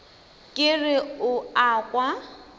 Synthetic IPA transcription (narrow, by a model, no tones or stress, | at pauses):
kʼɪrɪʊaːkʼwa